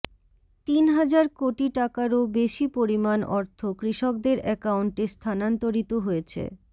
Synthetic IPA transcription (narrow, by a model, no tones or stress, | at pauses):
t̪inɦad͡ʑaɾkoʈiʈakaɾobeʃipoɾimanɔɾt̪ʰokɾiʃok̚d̪eɾɛkauɳʈest̪ʰanant̪oɾit̪oɦojet͡ɕʰḛ